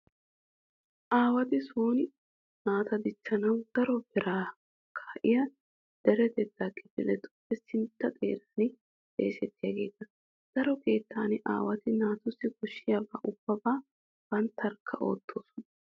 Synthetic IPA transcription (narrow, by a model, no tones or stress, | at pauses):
ʔaːwɐt̪ɪsuːnɪ | naːt̪ɐd̪ɪt͡ʃːɐnɐwd̪̥ɐɾɔbɛɾaː | kʰaːʔɪjɐ | d̪̥ɛɾɛd̪ɛd̪ːaːkʼːɛfɪlɛt̪ʊ̥bɛsɪnt̪ːɐt̪ʼḛːɾaːnɪ | t̪ʼḛːsɛt̪ːɪjaɡe̞ːt̪ːɐ | d̪̥ɐɾɔkeːt̪ːaːnɪʔa̰ːwɐt̪ɪnaːt̪ʊsːɪɡɔʃːɪjɐbaːʔʊb̥ːɐbaː | b̥ɐnt̪ːɐɾkʰːɐʔo̞̰ːt̪ʰːoːsɔnɐ